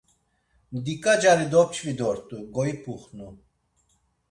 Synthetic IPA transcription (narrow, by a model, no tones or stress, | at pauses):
md̪ikʼad͡ʒaɾid̪ɔp̚t͡ʃʰvid̪ɔɾt̪ʼuɡɔipʰuχnu